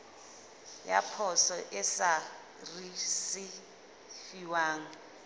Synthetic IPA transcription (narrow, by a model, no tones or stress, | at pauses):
ja̰pʰɔsɔʔɛsa | risi | fiwaːŋ̩